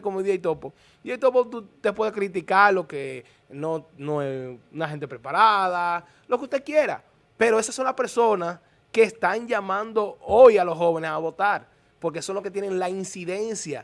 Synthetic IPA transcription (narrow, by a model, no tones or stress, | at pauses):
komoðiiajt̪o̞po | iejt̪o̞pot̪ut̪epwe̞ðekɾit̪̬ikaɾlo̞ke | no̞noesunaxe̞nt̪̬e̞pɾe̞paɾaða | lo̞keust̪e̞kje̞ɾa̰ | pe̞ɾo̞e̞sasːo̞nlaspe̞ɾso̞nas | ke̞ːst̪aŋd͡ʒamãnd̪o̞ojalo̞sho̞βe̞nesaβo̞t̪aɾ | po̞ɾk̬e̞so̞nlosket̪je̞neŋlainsiðe̞nsja